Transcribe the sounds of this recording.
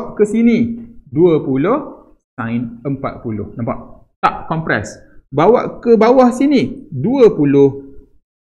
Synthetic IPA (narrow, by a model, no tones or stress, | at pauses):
ʔkəsiniduəpulʊh | sãjnəmpa̰t̪̚pulʊ̰hnãmpaʔ | t̪aʔ̚kɔmpɾɛ̰s | bawa̰ʔkəbawahsiniduəpulʊh